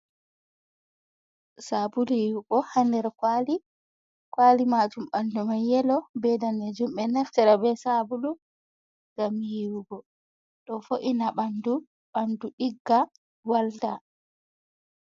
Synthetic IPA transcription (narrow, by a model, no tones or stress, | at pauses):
sabulujiwuɡɔhandɛɾkwali | kwalimad͡ʒumɓandumaɛlɔbɛdanɛd͡ʒumɓɛnaftɛɾabɛsabulu | ɡ̥amijiwuɡɔ | ɗɔfoʔinaɓandu | ɓanduɗiɡːa | walta